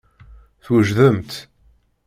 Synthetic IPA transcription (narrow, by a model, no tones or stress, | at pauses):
θwəʒðəmt̪